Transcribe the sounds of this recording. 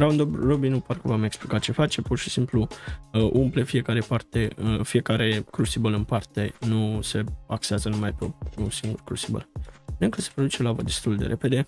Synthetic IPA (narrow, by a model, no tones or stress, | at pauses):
ɾawnd̪obrobinuparkəvameksplikat͡ʃe̞fat͡ʃe̞porʃisimpluʔumplefije̞kaɾe̞part̪e̞əfije̞kaɾe̞kɾusibəlɨnpart̪e̞nuse̞akseazənumajpeounsiŋɡurkɾusibə̰lɨŋkəse̞pɾod̪ut͡ʃe̞lavəd̪e̞st̪uld̪e̞ɾʔe̞pe̞d̪e̞